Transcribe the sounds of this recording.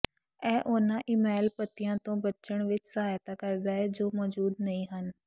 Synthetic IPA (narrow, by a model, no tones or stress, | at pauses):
ɛ̃ːʔoːnãʔɪmɛːlpət̪ijãːt̪õːbətːʃəɽ̃ʋɪt͡ʃsəɦaːjt̪akəɾd̪aːɦɛd͡ʒoːmɔːd͡ʒuːd̪nɐĩːɦən